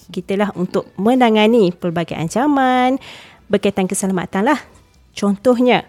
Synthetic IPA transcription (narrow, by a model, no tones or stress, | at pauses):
kit̪əlaɦunt̪ʊk̚mə̃ndaŋanipərbaɡaja̰ɲt͡ʃaman | bərkait̪ankəsalama̰t̪anlah | t͡ʃɔnt̪ɔɦɲə